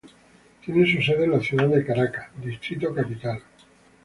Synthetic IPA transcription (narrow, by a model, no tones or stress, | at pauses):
t̪jenes̬useð̞elaθjuðaððekaɾakḁd̪ist̪ɾit̪okapit̪al